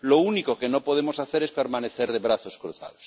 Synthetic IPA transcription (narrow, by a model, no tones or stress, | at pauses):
lounikokenopoð̞emosaθeɾespe̞ɾmãneθeɾðeβ̞ɾaθoskɾuθa̰ð̞os